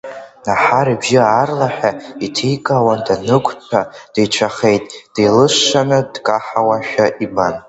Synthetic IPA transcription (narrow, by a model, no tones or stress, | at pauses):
naħaɾibʒɪaːrlaħʷᶣaitʰijkʼawandanɨkʷʰʼt͡ɕʰad̥ejt͡ʃʷʰaχe̞jtʼd̥elɨʂːanɨdkʼaħawaʃᶣaʔiban